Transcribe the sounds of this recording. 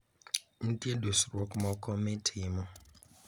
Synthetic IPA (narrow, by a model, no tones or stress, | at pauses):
n̩tiedosɾɔkʊmɔkɔmetʰimɔ